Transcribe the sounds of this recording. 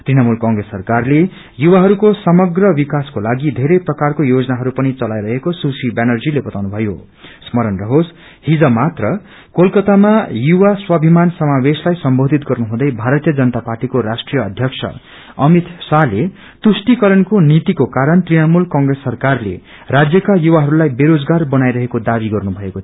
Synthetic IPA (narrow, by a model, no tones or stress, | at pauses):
t̪rinʌmulkʌ̃ŋɡresːʌrkarle | juwaɦʌɾukosʌmʌɡrʌbikaskolaɡid̪ʱeɾʌjprʌkarkojod͡zʌnaɦʌɾupʌnit͡sʌlajɾʌɦekosusibenʌrd͡zilebʌt̪awnubʱʌjo̰ | smʌɾʌnrʌɦos | hid͡zʌmat̪rʌ | kolkʌt̪amajuwaswʌbʱimansʌmaweslajsʌmbod̪ʱit̪ɡʌrnuɦũd̪ʌjbʱaɾʌt̪ijʌd͡zʌnʌt̪aparʈikoɾasʈrijʌːd̪ʱjʌksʰʌ̰ | ʌmit̪sale | t̪usʈikʌɾʌnkonit̪ikokaɾʌnt̪rinʌmulkʌŋɡresːʌrkarlḛ | rad͡zjʌkajuwaɦʌɾulajbeɾod͡zɡarbʌnajɾʌɦekod̪abiɡʌrnubʱʌeko